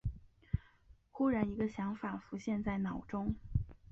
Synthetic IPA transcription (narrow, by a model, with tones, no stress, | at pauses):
xu˥ɻa˧˥ni˧˥ɡə˧ɕjɑ˧˥ŋfa˨˩fu˧˥ɕjɛ˥˧nt͡sa˥˩ɪnɑ˨˩ʊʈ͡ʂʊ˥ŋ